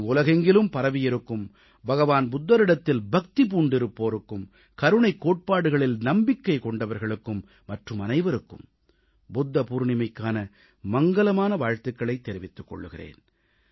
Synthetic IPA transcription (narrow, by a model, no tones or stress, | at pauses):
ʊlɐɣɐŋɡɪlɯmpɐɾɐʋɪjɪɾɯkːɯm | bɐɣɐʋaːnbʊd̪ːɐɾɪɽɐt̪ːɪlbɐk̚t̪ip̬uːɳɖɪɾɯpːoːɾɯkːɯm | kɐɾɯɳɐɪkːoːʈ̚paːɽɯɣɐɭɪlnɐmbɪkːɐɪkɔɳɖɐʋɐɾɣɐɭɯkːɯmːɐʈrɯmɐnɐɪʋɐɾɯkːɯ̰m | bʊd̪ːɐpuːɾɳɪmɐɪkːaːnɐ | mɐŋɡɐlɐmaːnɐʋaːɻt̪ɯkːɐɭɐɪt̪ːɛɾɪʋɪt̪ːɯ̥kːɔ̰ɭːɯɣɪrḛːn